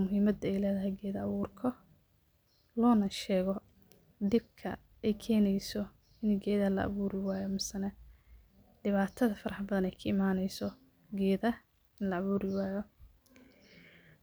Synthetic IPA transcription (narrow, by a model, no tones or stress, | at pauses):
mʊɦiːmɐd̪ɛjlɛːðɐɦɛjɡɛːðɐɐβuːrkʰɔ | lɔːnɐʃɛːɣɔ | d̪ɪb̚kʰɐ̰ | ɛjkʰɛːnɛjsɔ | ɪnɡɛːðɐlɐ̰ʔɐ̰βuːɾɪwaːjɔmɪsɐnɐ | ɖɪβaːt̪ʰɐðɐfɐɾɐħbɐðɐnɛjkʰɐɪmaːnɛjsɔ | ɡɛːðɐ | ɪnlɐːβuːɾɪwaːjɔ